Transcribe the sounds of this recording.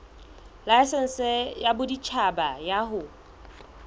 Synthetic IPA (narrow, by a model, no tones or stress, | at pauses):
laɪsɪn̩sɛjabʊdit͡ʃʰabajaɦʊ